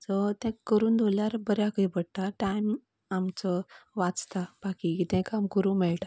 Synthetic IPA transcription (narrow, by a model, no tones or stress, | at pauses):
sɔt̪ɛ̃kːəɾuːnd̪ʱoljaɾbəɾjakəipəɽt̪aʈajm | amt͡sɔʋat͡st̪ab̥akikit̪ɛ̃kamkəɾũːmɛɭʈa